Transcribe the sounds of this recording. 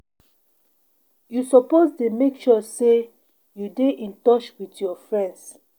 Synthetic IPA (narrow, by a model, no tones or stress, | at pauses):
jusɔpoztemekʃɔse | judeʔĩntɔt͡ʃwitjɔfɹɛ̃nds